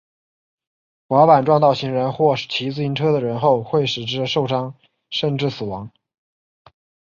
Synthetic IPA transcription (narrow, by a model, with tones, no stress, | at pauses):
xwa˧˥pa˨˩nʈ͡ʂwɑ˥˧ŋt̪ɑ˥˩ʊɕi˧˥ŋɻə˧˥nxwɔ˥˩t͡ɕʰi˧˥t͡sɹ̩˥˧i˧˥nʈ͡ʂʰɤ˥d̪ə˨ɻə˧˥nxo˥˧ʊxwe˥˩ɪʂɻ̩˨˩ʈ͡ʂɻ̩˥ʂo˥˩ʊʂɑ˥ŋ | ʂə˥˧nʈ͡ʂɻ̩˥˩sɹ̩˨˩wɑ˧˥ŋ